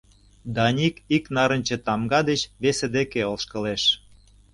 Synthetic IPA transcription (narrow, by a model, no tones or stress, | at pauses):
d̪ɑnʲikiknɑɾə̆nʲt͡ɕĕt̪ɑmɡɑd̪et͡ɕβesĕd̪ekeolˠʃkə̆leʃ